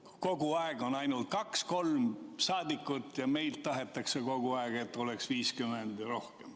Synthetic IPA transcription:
ko̞ɡ̥uɑeɡ̥o̞nɑjnult̪̚kɑksko̞lmsɑːd̪ikːˑut̪ːjɑme̞jlt̪ːɑɦe̞t̪ːˑɑkseko̞ɡ̥uɑeɡ̥et̪ːˑo̞leksviːskymend̪̥ɾo̞hkem

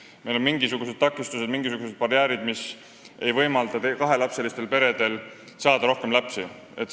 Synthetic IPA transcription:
mejlo̞nmiŋɡ̥isuɡ̥use̥t̪ɑkːˑist̪used̪miŋɡ̥isuɡ̥use̞d̪̥̚pɑɾjæːɾid̪mis | e̞jvɤjmɑld̪ɑt̪ekɑɦe̞læpse̞list̪e̞lpe̞ɾe̞d̪̥e̞l | sɑːd̪̥ɑɾo̞hke̞mlæpsi | e̞t̪

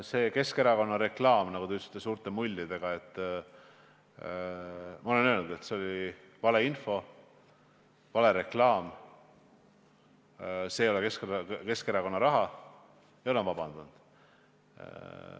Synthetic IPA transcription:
se̞ːke̞ske̞ɾɑko̞nːɑɾe̞klɑːmnɑkut̪eyt̪si̥t̪ːˑesuːɾt̪ˑemulʲːid̪̥e̞ɡ̥ɑe̞t̪ːˑ | mɑo̞le̞nølnud̪e̞t̪seo̞lʲi | vɑle̞info̞ | vɑle̞ɾe̞klɑːm | se̞jo̞leke̞skke̞skeɾɑko̞nːɑɾɑɦɑ | ejo̞lenvɑb̥ɑnd̪̥und̪̥̰

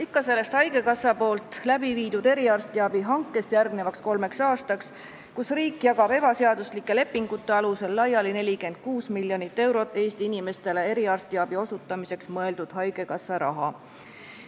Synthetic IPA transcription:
ikːɑse̞lːe̞st̪hɑjɡ̥e̞kɑsɑpo̞ːlt̪ˑlæbiviːd̪̥ud̪̥e̞ɾiɑrst̪iɑb̥iɦɑŋkːˑe̞sjærɡnevɑksko̞lme̞ksɑːst̪ɑks | kusriːkːˑjɑɡɑb̥e̞bɑseɑd̪̥uslikːˑe̞le̞pːiŋɡ̥ut̪ːe̞ɑluse̞lːɑjɑline̞lʲike̞nd̪̥̚kuːsmilʲjo̞nit̪ːe̞wɾo̞t̪ːˑe̞ːst̪iinime̞st̪e̞le̞e̞ɾiɑrst̪iɑb̥io̞sut̪ːˑɑmise̞ksmɤe̞ld̪̥ud̪̥hɑjɡ̥e̞kɑsːɑɾɑ̰ɦɑ

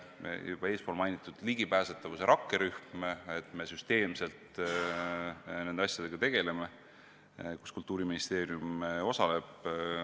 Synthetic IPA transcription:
jub̥ɑe̞ːspolmɑjnʲit̪ˑːud̪̥liɡipæːset̪ːˑɑvuse̞ɾʔɑkːeɾyhmet̪ˑme̞syst̪e̞ːmse̞lt̪ | nend̪eɑsʲjɑd̪e̞ɡ̥ɑt̪e̞ɡ̥e̞le̞me̞ | ku̥skult̪ːˑuːɾiminist̪e̞ːɾiumo̞sɑle̞b̥

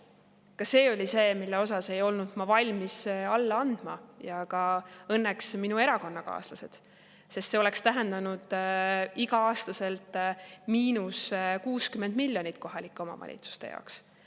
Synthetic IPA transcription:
kɑse̞ːo̞lʲise̞ːmilːeo̞sɑse̞jo̞lnud̪̥mɑvɑlʲmisɑlːɑɑnd̪̥mɑjɑkɑɤnːeksminue̞ɾɑko̞nːɑkɑ̰ːslɑse̞d̪̥ | se̞st̪se̞o̞le̞kst̪æɦe̞nd̪̥ɑnud̪̥iɡɑɑːst̪ɑse̞lt̪ˑmiːnuskuːskymend̪̥milʲːjo̞nit̪ːˑko̞ɦɑlikːˑo̞mɑ̰vɑ̰lʲḭt̪su̥st̪ejɑ̰oks

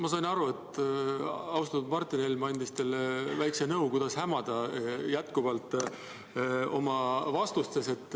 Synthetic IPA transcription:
mɑs̬ɑjnɑɾue̞t̪ | ɑwst̪ɑnud̪̚mɑrt̪ˑinelmɑnʲd̪̥ist̪e̞lvæjksenɤwkujd̪̥ɑshæmɑd̪̥ɑjæt̪ˑkuvɑlt̪ˑ | o̞mɑvɑst̪ust̪sese̞t̪ːˑ

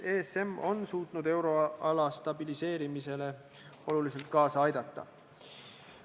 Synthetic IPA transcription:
eːse̞mːo̞nsuːt̪nud̪e̞wɾo̞ɑlɑst̪ɑbilise̞ːɾimise̞le̞ | o̞lulis̬e̞lt̪̚kɑːsɑɑjd̪̥ɑt̪ːˑɑ̰

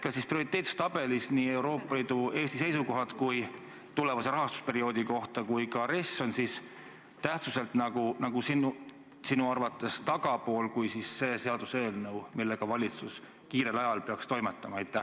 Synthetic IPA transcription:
kɑsisprio̞ɾit̪eːt̪su̥st̪ɑb̥e̞lisniːe̞wɾo̞ːpˑːɑliːd̪̥ue̞ːst̪ise̞jsuko̞ɦɑt̪kuj | t̪ule̞vɑse̞ɾɑɦɑst̪u̥spe̞ɾio̞ːd̪̥iko̞ht̪ɑkujkɑɾesːo̞nsis | t̪æht̪suse̞lt̪nɑɡ̥unɑɡusinu | sinuɑrvɑt̪ːˑe̞st̪ɑɡ̥ɑpo̞ːlkujsisːe̞ːse̞ɑd̪̥use̞ːlnɤwmilːe̞ɡ̥ɑvɑlʲit̪sus | kiːɾe̞lɑjɑlpeɑkst̪o̞jmet̪ːˑɑmɑɑjt̪ːˑæh

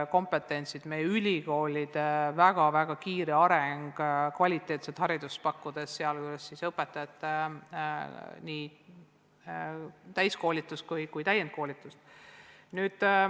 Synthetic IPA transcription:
ko̞mpe̞t̪ːˑe̞nʲsid̪̥me̞jːeylʲiko̞ːlʲid̪̥væɡ̥ɑvæɡ̥ɑkiːɾiɑɾeŋɡ̥kvɑlʲit̪ːˑe̞ːt̪set̪hɑɾid̪̥ust̪̚pɑkːud̪̥e̞sːeɑlkuylesːisɤpːˑet̪ːˑɑɑt̪ːˑ | niː | t̪æjsko̞ːlʲit̪ːˑust̪kujkujt̪æjent̪̚ko̞ːlʲit̪ːˑust̪nyːd̪̥

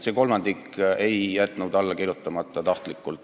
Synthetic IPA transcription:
seko̞lmɑnd̪̥ike̞jːæt̪ˑnud̪̥ɑlːɑkiɾjut̪ːˑɑmɑt̪ˑːɑt̪ɑht̪likːˑult̪

